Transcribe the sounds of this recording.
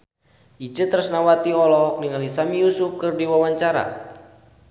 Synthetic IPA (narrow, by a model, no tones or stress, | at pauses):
ʔid͡ʒət̪əɾusnawat̪iɔlɔɦɔk̚niŋalisamijusufkɨrdiwawaɲt͡ʃaɾa̰